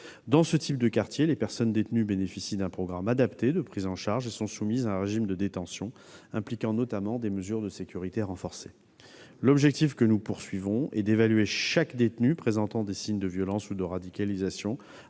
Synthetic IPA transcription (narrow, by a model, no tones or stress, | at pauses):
d̪ɑ̃sət̪ʰip̚d̪əkaʁt̪jelepɛʁsɔnd̪et̪nybenefisid̪ɛ̃pχɔɡʁamad̪apt̪ed̪əpχizɑ̃ʃaʁʒesɔ̃sumizaɛ̃ʁeʒimd̪əd̪et̪ɑ̃sjɔ̃ | ɛ̃plikɑ̃nɔt̪amɑ̃d̪eməzyʁd̪əsekʲyʁit̪eʁɑ̃fɔʁse | lɔbʒɛk̚t̪ifkənupuʁsɥivɔ̃ɛd̪evalɥeʃakd̪et̪nypχezɑ̃t̪ɑ̃d̪esiɲd̪əvjɔlɑ̃sud̪əʁad̪ikalizasjɔ̃